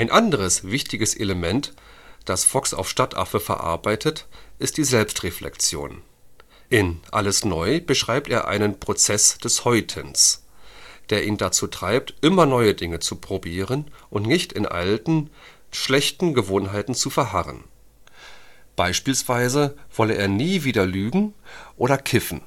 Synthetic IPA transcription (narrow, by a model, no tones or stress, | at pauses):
ʔaɪnʔandəʁ̞əsv̥ɪçtɪɡəsʔḛləmɛnt | d̥asfɔksa̰ʊfʃtatʰʔa̰fəfɛɐʔa̰ɐbaɪtʰətʔɪst̚d̥iːzɛlpstʁeflʔɛ̰kt͡sjo̰ːn | ʔɪnʔa̰ləsnɔʏb̥əʃʁ̥aɪp̚teːɐʔa̰ɪnənpʁ̥ot͡sɛsd̥ɛshɔʏtʰəns | d̥eːɐʔiːndat͡suːtʁ̥aɪp̚tʔɪmɐnɔʏədɪŋət͡supʁ̥obiːʁənʔʊntnɪçtɪnʔa̰ltn̩ | ʃlɛçtn̩ɡəvoːnɦaɪtn̩t͡sufɛɐɦaʁə̰n | b̥aɪʃpiːlsv̥aɪzəv̥ɔləʔḛːɐniːviːdɐlyːɡŋ̩ʔoːɾɐkʰɪfn̩